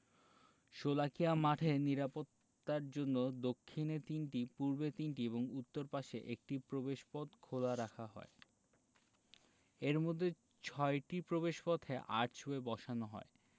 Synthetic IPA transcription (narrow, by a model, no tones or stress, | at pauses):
ʃolakiamaʈʰeniɾapot̪ːaɾd͡ʑonːod̪okʰːinet̪inʈipuɾbet̪inʈieboŋut̪ːoɾpaʃeʔek̚ʈipɾobeʃpɔd̪kʰolaɾakʰaɦɔ̰e | eɾmod̪ʱːe | t͡ɕʰɔeʈipɾobeʃpɔt̪ʰeʔaɾʈt͡ɕʰoebɔʃanoɦɔ̰e